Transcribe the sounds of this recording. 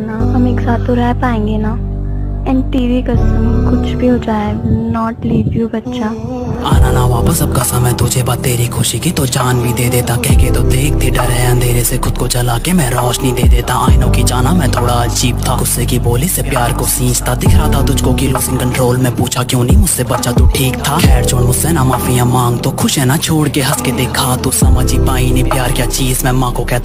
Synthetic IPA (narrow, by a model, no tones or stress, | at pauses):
naɦɐmeːksaːt̪ːoɾɛɦpaːẽːŋɡenaː | ɛ̃ːnʈiːʋikɐsəmkʊt͡ʃʰbʱiɦoːd͡ʒaːenɔːʈliːʋjubɐtːʃaː | aːnanaʋaːpəsɐb̚kasamɛ̃t̪ʊd͡ʒʱebat̪ːeːɾikʰoʃikit̪od͡ʒaːnbʱid̪eːd̪eːt̪akɛɦket̪od̪eːk̚ʰt̪iɖɐɾɦɛɐ̃nd̪ʱeːɾesexʊd̪̚kot͡ʃɐlaːkemɛ̃ɾɔːʃnɐɦĩd̪eːd̪eːt̪aʔaːɪnõkid͡ʒaːnamɛ̃t̪ʰoːɽaɐd͡ʒiːb̚t̪ʰaɡʊsːekiboːlisepjaːɾkosĩːt͡ʃt̪ad̪ɪkʰɾat̪ʰat̪ʊd͡ʒkokiluːsɪ̃nkɐ̃ɳʈɾoːlmẽpuːt͡ʃʰakjũːnɐɦĩmʊd͡ʒsebɐtːʃʰat̪uʈʰiːkt̪ʰakʰɛːɽt͡ʃʰʊɽmʊsenamaːfijãmãːŋɡt̪okʰʊʃɦɛ̃nat͡ʃʰoːɽkeɦɐsked̪eːkʰat̪usɐməd͡ʒipãːĩnẽpjaːɾkjat͡ʃiːzmɛ̃mãːkokɛːt̪